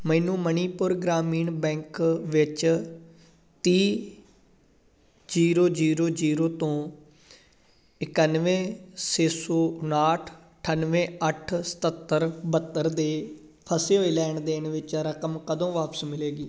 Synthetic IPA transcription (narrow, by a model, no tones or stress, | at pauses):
məːnũːməniːpʊɾɡɾaːmiːɳbɛ̃ːŋkʋɪt͡ʃ | t̪iː | d͡ʒiːɾoːd͡ʒiːɾoːd͡ʒiːɾoːt̪õː | ɪkənʋẽːseːsoːnaːʈʰ | ʈʰənʋẽːəʈʰsə̥t̪ət̪ːəɾbət̪ːəɾd̪eː | pʰəseːɦoiːlɛːɳd̪eːɳʋɪt͡ʃɾəkəmkəd̪õːʋaːpəsmɪleːɡiː